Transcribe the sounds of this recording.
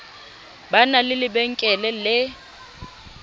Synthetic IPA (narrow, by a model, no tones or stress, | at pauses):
banalɪlɪbɛŋ̩kʼɛlɛlɪ